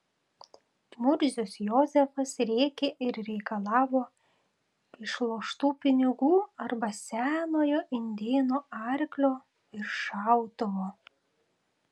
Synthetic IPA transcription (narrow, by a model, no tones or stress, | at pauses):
mʊɾʲzʲʊsjɔzʲɛfɐsɾʲeːkʲeʔɪɾɾʲɛɪkɐlˠɑːʋoː | ɪʃlˠoːʃt̪uːpʲɪnʲɪɡuːɐɾbɐsʲæːnoːjoːʔɪnʲd̪ʲeːnoːɐɾʲklʲoː | ɪɾʃɑˑʊt̪oʋoː